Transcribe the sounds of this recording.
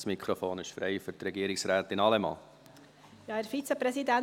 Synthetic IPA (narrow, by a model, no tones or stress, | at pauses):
smikʰχɾofoːnɪʃfɾɛ̰ɪfʏɾtrɛɡiəɾɪksɾæːt̪ɪnɑlɛmɑ̰ː | jɑːæɾfit͡səpɾɛsidæn